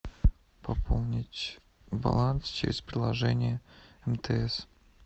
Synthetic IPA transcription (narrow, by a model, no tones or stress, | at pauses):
pɐpʰolˠnʲɪtʲ | bɐ̰lˠanst͡ɕɪ̰ɾʲɪspɾʲɪlˠɐʐɛnʲɪjəɛmt̪ʰɛɛs